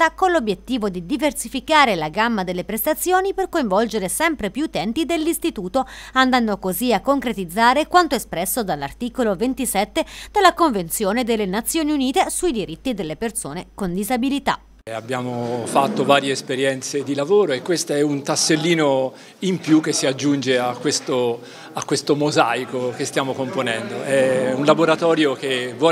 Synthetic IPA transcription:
akonlobjet̪ːiːvod̪id̪iversifikaːɾelaɡamːad̪elːepɾest̪at̪sːjoːniperkoiɱvɔld͡ʒeɾesɛmpɾepjuːt̪ɛnt̪id̪elːist̪it̪uːt̪oand̪anːokoziakːoŋkɾet̪id̪zːaːɾekwant̪oespɾɛsːod̪alːart̪iːkolovent̪isɛt̪ːed̪̥elːakoɱvent̪sjoːned̪elːenat̪sːjoːniuniːt̪esuid̪iɾit̪ːid̪elːepersoːnekond̪izabilit̪a̰ | abjaːmofat̪ːovaːɾjeːspeɾjɛnt̪sed̪ilavoːɾoekːwest̪aɛunt̪asːelːiːno | impjukːesːiad͡ʒːund͡ʒeakːwest̪o | akːwest̪omozajkokest̪jaːmokomponɛnd̪oʔɛunlaboɾat̪ɔːɾjok̟evɔ

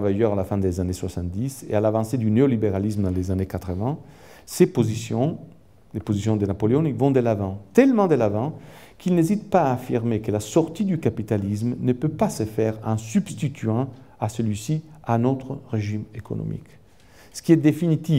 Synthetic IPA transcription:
vajœʁalafɛ̃d̪ezaneswasɑ̃nt̪̚d̪isḛalavɑ̃sed̪yneolibeʁalismd̪ɑ̃lezanekat̪ʁəvɛ̃ | sepozisjɔ̃ | lepozisjɔ̃d̪ənapoleonivɔ̃d̪əlavɑ̃t̪ɛlmɑ̃d̪elavɑ̃ | kʰilnezit̪paːfiʁmekəlasɔʁt̪id̪ykapit̪alizmnəpøpasəfɛʁɛ̃sybst̪it̪ʰyɛ̃asəlɥisianot̪ʁəʁeʒimeko̰no̰mḭk | sə̥kiɛd̪efinit̪i

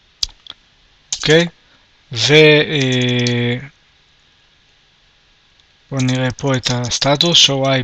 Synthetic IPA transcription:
okej | ve | b̥oniʁepʰoet̪ast̪at̪usʃowaj

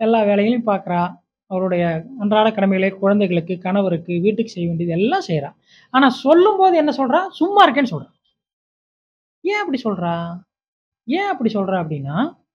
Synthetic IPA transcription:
ɛlːaːʋeːɭɐjɐlɪ̃paːɾkɐɾãː | ɐʋɐɾʊɽɐjɐɐndɾaːɽɐkɐɽɐmɛɣɐɭeːkʊɻɐnd̪ɐɛɪɣɐɭɯkːɯkɐɳɐʋɐɾɯkːɯʋiːʈːɯkːɯsɛjːɐʋeːɳɖiɐðɯɛlːãːsɛjɾãː | aːnaːsɔlːɯmboːðɯɛnːɐsɔlɾãːsʊmːaːɪɾɯk̬ːeːnːɯsɔlrɾãː | jẽːɐpːɐɽisɔlɾãː | jẽːɐpːɐɽisɔlɾãːɐpːɐɽɪnːaː

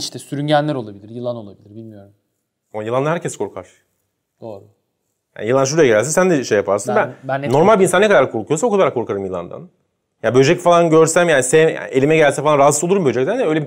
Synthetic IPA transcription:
iʃt̪ʰɛsyɾynɟænlʲæɾo̞lˠabilʲiɾjɯlˠano̞lˠabilʲiɾbilʲmijo̞ɾum | amajɯlˠanˠaɦæɾcɛskʰo̞ɾkʰaɾ̥ | d̪̥oːɾˠu | ja̰njɯlˠanʃ̬uɾajaɡɟɛlælʲs̬nsænd̪ɛʃejːapʰaɾsɯnbænb̪ːo̞ɾmalʲbinsanːɛkʰad̪aɾkʰo̞ɾkʰujosaokud̪ˠaɾakʰo̞ɾkʰaɾɯmjɯlˠa̰nd̪a̰n | jabød͡ʒɛcfalˠanɟøɾsæmjaːnisɛna̰e̞lʲimɛɟælʲsænfalˠanɾaɦazolˠuɾumbød͡ʒɛcsænd̪ɛøjlʲebi

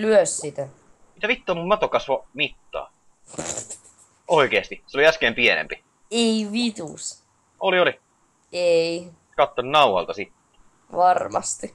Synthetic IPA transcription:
lyøssit̪æ | mit̪æʋit̪ːoːmummɑt̪okɑsʋɑmit̪ːɑ̰ː | ʔoikeːst̪iseoliæskeːmpienḛmpi | eiʋit̪ṵs | ʔolioli | ei | kɑt̪ːonnɑuhɑ̰lt̪ɑsit̪ːe̥ | ʋɑrmɑ̰st̪i

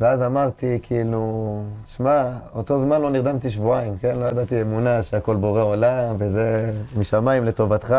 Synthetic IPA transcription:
veazamaʁt̪ikʰiilut̪i̥ʃmaot̪o̞zmanlo̞niʁd̪amt̪iʃ̬vuaimke̞nlo̞jad̪at̪iemunaʃeako̞lbo̞ʁeo̞lamvezemiʃamaimle̞t̪o̞vat̪χa

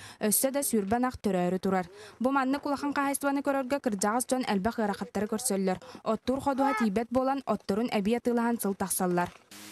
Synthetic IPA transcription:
œsːœd̪ɑsyːɾbɛnaqt̪œɾœːɾyt̪uɾaɾbumanːɯkulˠaχaɴqaɦajst̪vanɯkœɾœɾɡœkɯ̆ɾd͡ʑaʁɯsd͡ʑɔnɛlbɛχɯɐɾaχat̪ːaɾɯkœɾsœlːœɾɔt̪ːuːɾχɔd̪uɦat̪iːbɛt̪̚buɔlˠanɔt̪ːɔɾunʔɛbijat̪ɯːlˠaɦansɯlˠt̪ɑχsalˠːaɾ

